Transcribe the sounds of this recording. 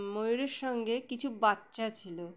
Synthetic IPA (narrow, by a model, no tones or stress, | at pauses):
mojuɾeɾʃɔŋɡekit͡ɕʰubatːɕat͡ɕʰilo